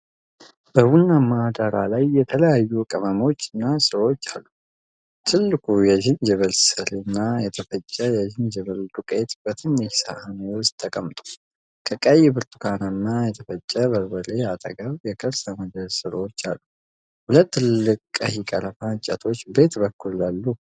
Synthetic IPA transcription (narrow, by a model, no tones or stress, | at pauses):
b̥əβunːamad̪aɾalajːɛt̪ʰələjajːukʼəməmo̞t͡ʃːɨnːasɨɾo̞t͡ʃːa̰lːu | t̪ʰɨlːɨkʰʼujɛd͡ʒɪnd͡ʒɛβəlsɨlɨnːajɛt̪ʰəfət͡ʃʼːəjɛd͡ʒɪnd͡ʒɛβəld̪ukʼet̪b̥ət̪ʰɨnːiçsahanewɔst̪ʰːəkʼəmt̪ʼu̥ | kʼʰəkʼːajɛbɨɾt̪ʰʼukʰananːajɛt̪ʰəfət͡ʃʼːəbəɾwəle̞at̪ʼə̰ɡəβjɛkʼəɾsaməd̪əlsɨɾo̞t͡ʃːa̰lːu | hulət̪ːɨlɨkʼkʼːə̰hikʼəɾəfaɲt͡ʃʼa̰t̪ʰo̞t͡ʃːbe̞t̪bəkːulːalːu